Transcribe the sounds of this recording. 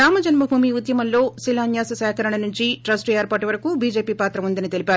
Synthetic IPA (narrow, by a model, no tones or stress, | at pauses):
aːmɐd͡ʒɐnmɐbʱuːmiud̪jɐmɐllo̞ːsilaːnjaːsɐsɛːkɐɾɐɳɐnuɲt͡ʃiʈɾɐsʈeːɾpaːʈiʋɐɾɐkubiːd͡ʒe̞ːpiːpaːt̪ɾɐʋund̪ɐnit̪e̞lipaːɾu